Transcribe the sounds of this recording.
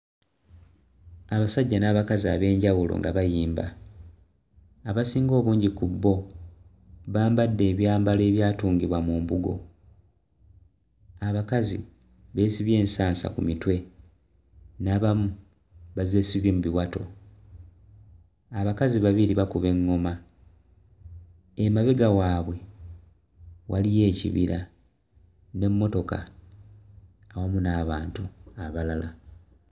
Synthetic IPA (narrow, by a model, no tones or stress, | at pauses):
aβasaɟːanaːβakazia̰βe̞ːɲɟawulo̞̰ŋɡa̰βajiːmba̰ | aβasiːŋɡo̞ːβuːɲɟikubːo̞ | βaːmbadːe̞ːβjaːmbale̞ːβjaːtuːŋɡiβwamuːmbuɡo̞̰ | aβakazḭ | βe̞siβje̞ːnsaːnsa̰kumitwe̞ | naβamu | βaze̞ːsiβjemuβiwato̞ | aβakaziβaβiliβakuβe̞ŋːo̞ma | emaβeɡawaːβwe̞ | wʔalije̞ːcḭβḭɾa | ne̞mːo̞to̞ka̰ | awamunaːβaːntuaβalala